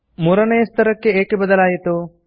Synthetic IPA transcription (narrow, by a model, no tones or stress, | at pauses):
muɾɐnejst̪ɐɾɐkːeeːkebɐd̪ɐlaːjet̪o